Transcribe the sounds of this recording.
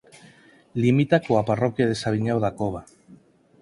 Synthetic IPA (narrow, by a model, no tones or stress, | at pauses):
limit̪akoaparɔkjaðesaβ̞iɲawðakoβa